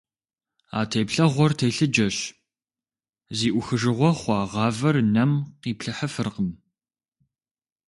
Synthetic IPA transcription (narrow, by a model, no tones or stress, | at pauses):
a̰ːtʰejpɬɐʁʷɔrtʰejɬɨd͡ʒɐɕ | ziːʔʷʊxɨʒɨʁʷɔχʷɑːʁɑːvɐrnɐmqiːpɬɐħɐfɨrqəm